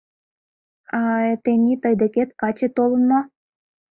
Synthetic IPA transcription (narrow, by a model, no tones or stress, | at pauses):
ɑt̪ĕnʲit̪ɤjd̪ĕket̪kɑt͡ɕĕt̪olˠɤ̆nmɑ